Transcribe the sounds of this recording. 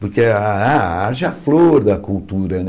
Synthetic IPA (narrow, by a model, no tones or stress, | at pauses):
poɾkeaa̰aɾʒɪɐfloɾd̪ɐkult̪uɾɐnɛ